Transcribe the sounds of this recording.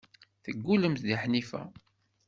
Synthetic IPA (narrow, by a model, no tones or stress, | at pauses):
θəɡːuləmt̪ðiħnifæ̰